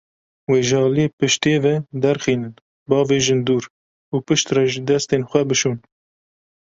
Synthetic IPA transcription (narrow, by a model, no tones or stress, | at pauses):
weːʒɑːliepɨʃt̪eːvɛd̪ɛɾxiːnɨn | bɑːveːʒɨnd̪uːɾ | uːpɨʃt̪rɛʒɨd̪ɛst̪eːnxʷɛbɨʃuːn